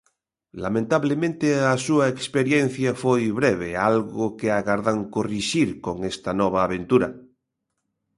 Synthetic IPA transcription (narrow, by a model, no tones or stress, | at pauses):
lamẽnt̪aβlemẽnt̪easuaekspeɾjen̟θjafojβɾeβ̞ealɣokeaɣaɾðaŋkoriʃiɾkoŋest̪anɔβ̞aːβ̞ẽnt̪uɾa